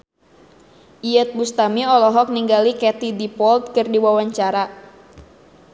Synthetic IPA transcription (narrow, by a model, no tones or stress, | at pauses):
ʔiət̪̚bust̪amiɔlɔɦɔk̚niŋɡalikɛt̪idipɔlt̪̚kɨrdiwawaɲt͡ʃaɾa